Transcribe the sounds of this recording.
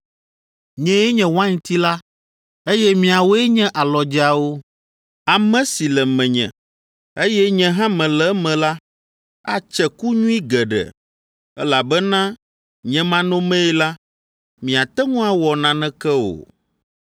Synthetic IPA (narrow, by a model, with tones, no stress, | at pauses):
ɲɛ̃˦ɛ˦ɲɛ̃˨wã˦ɲ̃˨t̪i˦la˦ | e˦jɛ˦mĩ˨a˨wo˦ɛ˦ɲɛ̃˦ʔa˨lɔ˨d͡ʒi˦a˨wo˦ | a˨mɛ̃˦si˨lɛ˨mɛ̃˨ɲɛ̰̃˨ | e˦jɛ˦ɲɛ̃˨˦ɦã˦mɛ̃˨lɛ˦mɛ̃˨la˦ | a˦t͡ʃɛ˨ku˦ɲũ˦i˦ɡɛ˨ɖɛ̰˨ | ɛ˦la˨bɛ˦nã˦ | ɲɛ̃˨mã˦nõ˦mɛ̃˦ɛ˦la˦ | mĩ˨a˨t̪ɛ˦ŋũ˦a˦wɔ˨nã˨nɛ̃˦kɛ˦o̰˨